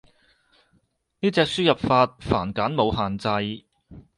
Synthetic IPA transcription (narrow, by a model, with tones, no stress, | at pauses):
niː˥t͡sɛː˧k̚syː˥jɐ˨p̚faː˧t̚faː˨˩nkaː˨˥nmo˨˧whaː˨nt͡sɐ˧j